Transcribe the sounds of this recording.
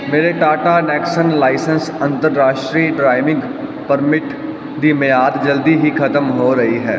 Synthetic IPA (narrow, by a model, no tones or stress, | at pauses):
meːɾeʈaːʈanɛːksənlaːɪsə̃nsɐ̃nt̪əɾːaːʃʈɾiːɖɾaːɪʋɪ̃ŋɡpəɾmɪʈ | d̪imejaːd̪d͡ʒɐld̪iɦikʰɐt̪əmɦoɾɐɦiɦɛː